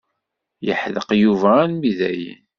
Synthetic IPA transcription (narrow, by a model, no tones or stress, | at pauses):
jə̰ħðəqjuvænmiðæjḭn